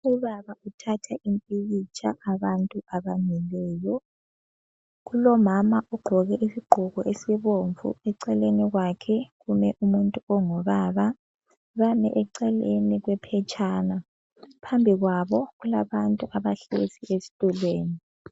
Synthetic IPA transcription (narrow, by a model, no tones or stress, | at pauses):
uβaβautʰatʰaʔimpʼiɣit͡ʃʰʼa̰ʔːβantʼuaβaɲɛlɛːjɔ | ɣulɔmamaʔɔɡ͡ǃʱɔɣɛʔisiɡ͡ǃʱuɣɔʔesiβoɱvṵɛǀɛleniɣwakʰɛɣumɛʔumuntʼuɔŋɔβaːβa | βamɛʔɛǀɛleniɣwɛpʰɛt͡ʃʼaːna | pʰambʱiɣwaβɔɣulaβantʼuʔaβaɬesiesi̥tʼulweːni